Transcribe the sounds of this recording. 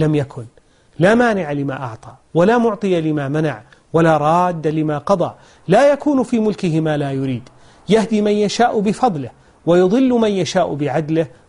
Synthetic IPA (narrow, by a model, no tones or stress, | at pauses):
lamjakʰʊn | laːmaːnɪʕalɪma̰ːʔɑʕt̪ˤɑ | walaːmʊʕt̪ˤɨjalɪmaːmana̰ʕ | walaːɾˤɑːd̪ːalɪmaːqɑd̪ˤɑ̰ʔ | laːjakuːnfiːmʊlkɪhɪmaːlaːjʊɾiːd̪ | jahd̪iːmanjaʃaːʔbɪfɑðˤlɪh | wajʊðˤɨlːmanjaʃaːʔbɪʕad̪lɪh